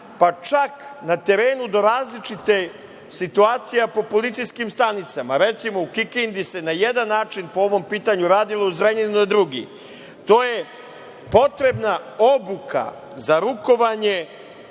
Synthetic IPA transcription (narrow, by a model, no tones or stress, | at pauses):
pat͡ʃaknat̪e̞ɾe̞ːnud̪o̞ɾaːzlit͡ʃit̪e̞ | sit̪uaːt̪sijapo̞po̞lit̪sijskimst̪anit̪samaɾet̪simo̞ukikind̪ise̞najed̪anːaːt͡ʃinpo̞o̞ʋo̞mpiːt̪aɲuɾaːd̪ilouzɾeɲenunad̪ɾuɡḭ | t̪o̞ːje̞ | po̞t̪ɾe̞bnaobukʰa̰ | zaɾuko̞ʋaɲe̞